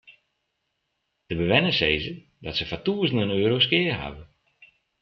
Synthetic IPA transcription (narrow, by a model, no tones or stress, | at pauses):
d̥əbəʋɛnəsejzə | dɔtsəfatuəzəndənøːɾoskɪərɦa̰və